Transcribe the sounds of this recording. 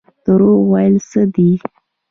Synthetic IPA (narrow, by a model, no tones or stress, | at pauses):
d̪̥əɾowajəlsəd̪i